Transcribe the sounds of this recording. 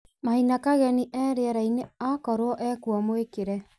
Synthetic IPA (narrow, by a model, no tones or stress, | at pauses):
mahinakaɣɛniʔɛːɾeaɾaineakɔɾoɔʔɛkuɔmoekeɾɛ